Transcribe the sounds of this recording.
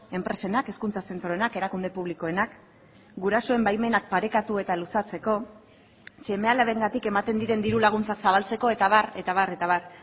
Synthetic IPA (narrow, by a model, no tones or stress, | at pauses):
e̞mpɾe̞se̞nakeskunt͡sase̞nt̪ɾo̞e̞nake̞ɾakund̪e̞puβ̞liko̞e̞nak | ɡuɾaso̞e̞mbajme̞nak̚paɾe̞kat̪ue̞t̪alusat͡se̞ko̞ | t͡ʃe̞me̞alaβe̞ŋɡat̪ike̞mat̪e̞nd̪iɾe̞nd̪iɾulaɣ̞unt͡saksaβ̞alt͡se̞ko̞e̞t̪aβaret̪aβ̞are̞t̪aβar